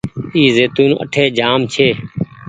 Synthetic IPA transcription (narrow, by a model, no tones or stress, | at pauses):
iːzeːt̪ũːnə̰ʈʰeːd͡ʒaːmt͡ʃʰeː